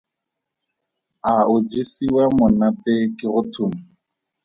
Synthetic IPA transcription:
aʊd͡ʒisiwamʊnatɪkɪɣʊtʰuːm̩

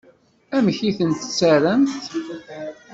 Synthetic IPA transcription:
æmçiθənt̪ə̥t͡sːæɾənθ

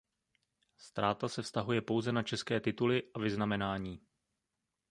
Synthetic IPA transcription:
st̪ɾaːt̪asɛfst̪aɦujɛpo̞wzɛnat͡ʃɛskɛːt̪ɪt̪ulɪʔavɪznamɛnaːɲiː

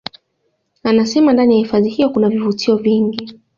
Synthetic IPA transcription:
anasɛmandanijahifaðihijɔkunavivutʰiɔviŋɡi

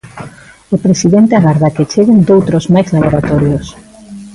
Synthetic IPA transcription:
ʊpɾesiðent̪eaɣaɾðaket͡ʃeɣend̪owt̪ɾozmajzlaβoɾat̪ɔɾjos

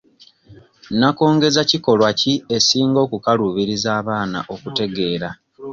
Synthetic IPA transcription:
nako̞ːŋɡe̞zaciko̞lwacie̞siːŋɡo̞ːkukaluβiɾizaːβaːna̰ʔo̞kute̞ɡe̞ːɾa

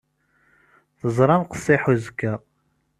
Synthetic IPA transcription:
θəzˤɾˤɑnqə̥sˤːiħuzkːæ

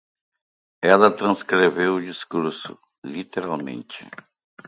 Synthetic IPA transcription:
ɛlɐt̪ɾɐ̃skɾevewʊd͡ʒiskuɾsʊ̰ | lit̪eɾawmḛ̃nt͡ʃɪ̥̰

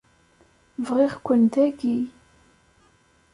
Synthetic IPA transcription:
vʁɪʁkʷːənd̪æɡi

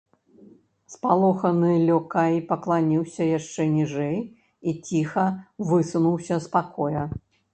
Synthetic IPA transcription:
spalˠɔxɐnɨlʲɔkajpɐklˠanʲiwsʲɐjaʂt͡ʂɛnʲiʐɛj | it͡sʲixɐvɨsunuwsʲɐspakɔjɐ

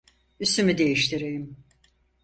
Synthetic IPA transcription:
yst̪ymid̪e̞jiʃt̪ʰiɾejim

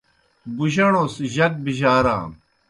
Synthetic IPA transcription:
buʑɐɽõːsʑɐk̚biʑaːɾã̰ː

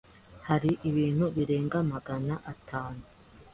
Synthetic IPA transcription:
haɾiʔiβiːn̥huβiɾe̞ːŋɡamaɡanaʔatʰaːnu

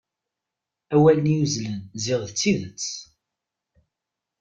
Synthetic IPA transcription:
æwælənijuzlənzɪʁðət͡sːiðət͡sː

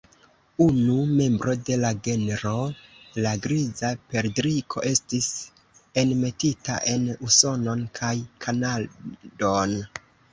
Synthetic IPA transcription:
unume̞mbɾo̞de̞laɡe̞neɾo̞laɡɾizape̞ɾdɾikʰo̞̰ʔe̞stis | e̞nme̞tita̰ʔe̞nuso̞no̞nkʰajkʰanado̞n

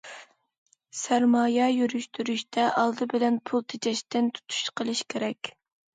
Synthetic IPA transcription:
sæɾmɑːjɛjyɾyʃt̪ʰyɾyʃt̪ʰɛʔɑlˠd̪ɨbɪlɛnpʰulˠt̪ʰet͡ʃʰɛʃt̪ɪnt̪ʰu̥t̪ʰu̥ʃqʰəlˠɨʃkʲʰeɾɛkʲ

